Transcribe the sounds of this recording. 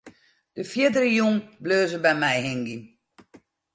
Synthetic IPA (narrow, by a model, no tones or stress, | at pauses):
d̥əfjɪdəɾəjuŋbløːzəbɛjmɛjɦɪŋɡin